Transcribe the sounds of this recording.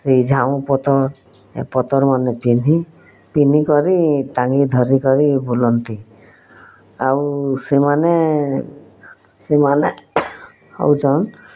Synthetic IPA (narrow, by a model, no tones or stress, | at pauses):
sed͡ʒʱaw̃pɔt̪ɔɾ | ḛpɔt̪ɔɾmanɛpin̤ʱi | pin̤ikɔɾiʈaŋɡid̪ʱɔɾikɔɾibulɔnt̪i | awsemane | semane | ɔ̰wt͡ʃɔn